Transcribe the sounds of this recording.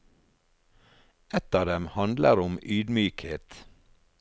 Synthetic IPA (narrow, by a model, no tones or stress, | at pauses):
ɛt̪ɑːd̪ɛmhɑnd̪ləɾʊmyːd̪myːkheːt̪